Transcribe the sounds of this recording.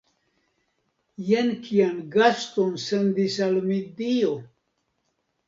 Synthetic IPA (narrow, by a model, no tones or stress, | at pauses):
jenkʰianɡast̪onsend̪isalmid̪io